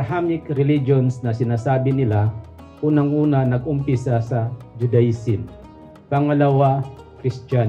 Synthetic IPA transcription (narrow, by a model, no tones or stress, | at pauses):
bhamɪkɾɛlid͡ʒonsnɐsɪnaːsaːbɪnɪla | ʔuːnɐŋʔuːnɐnɐɡʊmpɪsasɐd͡ʒʊd̪ɐɪsɪn | pɐŋɐlɐwa | kɾɪst̪an